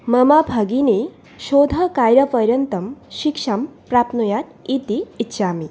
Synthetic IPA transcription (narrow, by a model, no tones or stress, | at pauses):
mɐmabʱaɡine | ʃod̪ʱɐkajɾɐpəɾjənt̪ɐmʃikʂampɾapnujat̪it̪iːtːɕʰami